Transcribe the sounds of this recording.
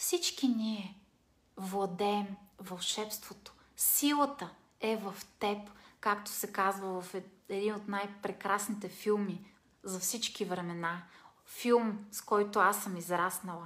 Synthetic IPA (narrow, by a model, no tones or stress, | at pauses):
fsit͡ʃkiniɛ | vlˠɐd̪ɛːmvɐlˠʃɛpst̪vot̪o̥ | silˠət̪ə | ɛvɐft̪ɛpkakt̪ʊ̥sɛkazvəvɐfɛɛd̪inot̪najpɾɛkɾasnit̪ɛfilˠmi | zɐfsit͡ʃkivɾɛmɛna | filˠmskɔjt̪ʊasəmizɾasnɐlˠə